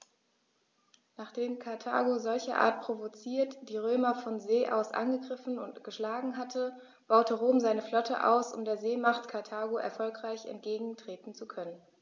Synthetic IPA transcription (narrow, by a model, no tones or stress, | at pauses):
naːχd̥eːmkʰaɐtʰa̰ːɡozɔlçɐ̰ʔa̰ːɐt̚pʁ̥ovot͡siːɐtd̥iːʁøːmɐfɔnzeːʔa̰ʊsʔa̰nɡəɡʁɪfn̩ʊntɡ̥əʃlaːɡŋ̩ɦatʰə | b̥aʊtəʁoːmzaɪnəflɔtʰə̰ʔa̰ʊsʊ̰mdeːɐzeːmaχtkʰaɐtʰaːɡoʔɛ̰ɐfɔlkʁ̥aɪçɛ̰nt̚ɡ̥eːɡŋ̩tʁ̥eːtn̩t͡sukʰœnən